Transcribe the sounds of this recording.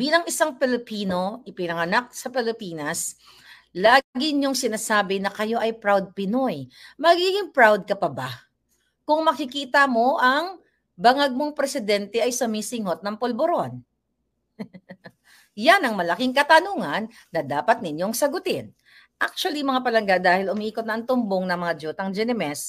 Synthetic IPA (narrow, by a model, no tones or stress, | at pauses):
biːlɐŋɪsaŋpɛlɪpiːno̞ʔɪpɪnɐŋɐnak̚sɐpɛlɪpiːnɐs | laːɡɪɲoŋsɪnaːsaːbɪnɐkɐjo̞ʔɐjpɹawd̪̚pɪno̞jmɐɡiːɡɪŋpɹawd̪̚kɐpɐba | kʊŋmɐkɪkiːt̪ɐmo̞ʔɐŋ | bɐŋɐɡ̚mo̞ŋpɾɛsɪd̪ɛnt̪ɛʔɐjsʊmiːsɪŋot̪̚nɐŋpolboɾon | janɐŋmɐlɐkiŋkɐt̪ɐnuːŋɐnːɐd̪aːpɐt̪̚nɪɲːoŋsɐɡʊt̪ɪn | ʔak̚t͡ʃʊwɐlimɐŋapɐlɐŋɡaʔd̪aːhɪlʊmiʔiːkot̪nɐʔɐŋt̪ʊmboŋnɐŋmɐŋad͡ʒuːt̪ɐŋd͡ʒɛnɛmɛs